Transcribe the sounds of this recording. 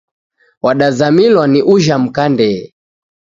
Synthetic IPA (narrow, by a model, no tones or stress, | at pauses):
waɗazamilwaniʔuʒam̩kandɛ